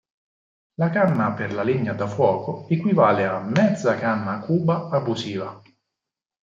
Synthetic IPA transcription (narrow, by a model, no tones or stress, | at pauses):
lakanːaperlaliɲːad̪afwɔːkoekwivaːleamːɛd̪zːakanːakʰuːbaabuziːva